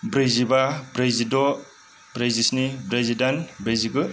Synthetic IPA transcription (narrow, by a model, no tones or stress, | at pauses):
bɾejzibabɾejzidɔ | bɾejzisnibɾezidanbɾejziɡɯ